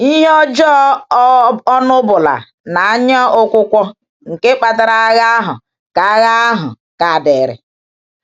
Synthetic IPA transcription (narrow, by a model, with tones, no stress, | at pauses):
i˦ɦɔ˦d͡ʒɔ˦ | ɔ˦nʊ˦bʊ˨la̰˨ | na˨a˦ɲa˦ʊ˦kʷʊ˦kʷɔ˦ | ŋ̩˨ke˦k͡pa˨ta˨ɾa˦ɣa˦ɦʊ̰˨ | ka˨a˦ɣa˦ɦʊ̰˨ | ka˨de˨ɾɪ̰˨